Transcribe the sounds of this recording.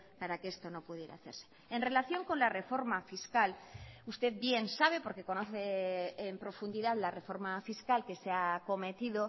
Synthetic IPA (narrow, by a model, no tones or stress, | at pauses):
paɾakeest̪o̞no̞puð̞je̞ɾaaθe̞ɾse̞ | enre̞laθjo̞ŋko̞nlare̞fo̞ɾmafiskalust̪e̞ðbje̞nsaβe̞po̞ɾke̞ko̞no̞θeːmpɾo̞fund̪iðaðlare̞fo̞ɾmafiskalke̞seako̞me̞t̪iðo̞